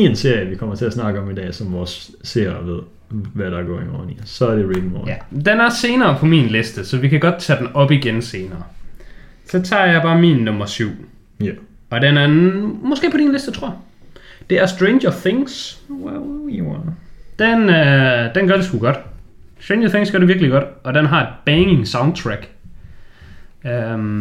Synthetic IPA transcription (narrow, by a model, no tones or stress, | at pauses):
iense̝ɐjəʋikʰɒ̽mɐt͡sʰe̝æsnɑ̈ɡ̥əɒ̽mid̥ɛ̰ːsɒmʋɒːsː | e̝ɐ̰ʋeðˠ | ʋæɾ̥ɑɡɒ̰ːiŋɒ̰ːnḭsɒ̽æɐɾeɹidmɔ̰d̥enæɐse̝ːnɐːpʰɒ̽mḭːnlesd̥əsɒ̽ʋikʰæɡ̥ɒ̽d̥̚t͡sʰæd̥en̩ɒ̽b̥iɡ̥ense̝ːnɐː | sɒ̽t͡sʰɑ̰̈ːjɑ̈ɪb̥ɑ̈ːmiːnːɔ̽mɐsyʊ̰ | ɒ̽denæɐmɒsɡ̥e̝ːpʰɒd̥inlesd̥ət͡sʰʁo̝ɐ | d̥e̝æɐsd̥ʁeɪnjɐθeŋswwiwnd̥enød̥enɡɶɐɾ̥esɡ̥uɡ̥ɒ̽d̥sd̥ʁen̥ɐθe̝ŋsɡ̥ɶɐɾeʋiɐɡ̥liɡ̥ɒ̽d̥ɒ̽d̥enɦɑ̈e̝d̥̚b̥ɛŋɪŋsɑ̈ʊnd̥̚t͡sʰʁæɡ̥ | øm